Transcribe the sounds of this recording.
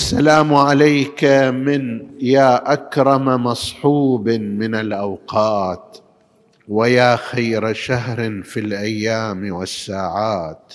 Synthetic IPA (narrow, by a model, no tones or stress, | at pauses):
ʔasːalaːmʕalajkmɪnjaːʔakɾˤɑmamɑsˤħuːbmɪnalʔawqɑːt̪ | wajaːxajɾʃaɦɾfilʔajːaːmwɪsːaːʕaːt̪